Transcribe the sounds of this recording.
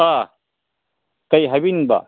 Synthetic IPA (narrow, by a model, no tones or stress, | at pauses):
a | kɐjɦabinba̰